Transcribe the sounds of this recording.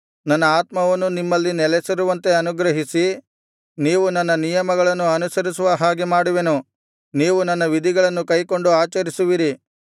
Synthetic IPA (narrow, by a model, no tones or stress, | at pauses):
nɐnːɐaːt̪mɐʋɐnːunimːɐlːinɛlesɐɾuʋɐnt̪e̞ɐnuɡɾɐɦisi | niːʋunɐnːɐnijɐmɐɡɐɭɐnːuɐnusɐɾisuʋɐɦaːɡemaːɽuʋe̞nu | niːʋunɐnːɐʋid̪ʱiɡɐɭɐnːukɐjkoɳɖuaːt͡ʃɐɾisuʋiɾi